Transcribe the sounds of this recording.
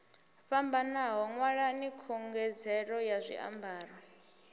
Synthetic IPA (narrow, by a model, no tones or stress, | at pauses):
fambanaɦɔŋwaɺanikʰɔŋɡɛd͡zɛɺɔjazʷḭʔa̰mbʱaːrɔ